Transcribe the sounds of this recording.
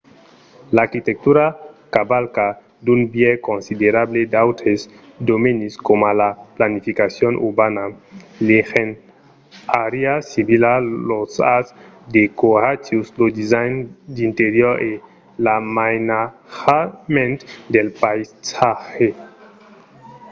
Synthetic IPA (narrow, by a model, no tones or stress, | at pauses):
laɾkit̪ek̚t̪uɾakabalka | d̪unbjɛkonsid̪eɾabled̪awt̪ɾes | d̪omeniskomalaplanifikasjonʔṵɾbanalexen | aɾiasiβilalosasd̪ekoat͡ʃjuslod̪izajnd̪int̪eɾjoɾʔe | lamajnaxamẽnt̪d̪elpajsaxe